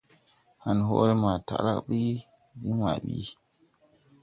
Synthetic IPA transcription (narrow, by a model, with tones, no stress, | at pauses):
ha˨nɦo̰˦ɾe˦ma˨ta̰˨ɾa̰˦kɓi˦ | di˦wa̰˨ɓḭ˦